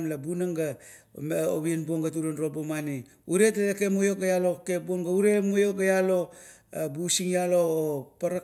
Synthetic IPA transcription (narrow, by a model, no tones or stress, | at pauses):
mlabunaŋɡa | mo̰βienbuoŋɡatuɾonɾobomani | uɾetaekemojo̞kajalokeboŋɡauɾemojokajalo̞ | busiŋjalopaɾa